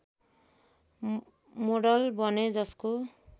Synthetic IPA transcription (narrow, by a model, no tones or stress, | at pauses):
moɖɔlbɔnezɔsku